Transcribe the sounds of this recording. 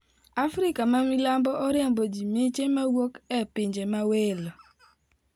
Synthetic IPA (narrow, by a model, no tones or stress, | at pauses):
afɾɪkamamilambɔʔɔɾjɛmbɔd͡ʒimet͡ʃemawokɛpɪɲd͡ʒemawelɔ